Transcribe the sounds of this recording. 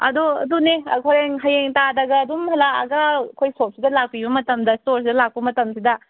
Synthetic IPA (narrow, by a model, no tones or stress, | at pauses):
ɐ̰doɐ̰duneɐ̰kʰoɾeŋɦajeŋtadɐɡɐːdumhɐlaɐ̰ɡɐkʰojsop̚sidɐlak̚pibɐmɐtɐmdɐstoɾs̬idɐlak̚pɐmɐtɐmsidɐ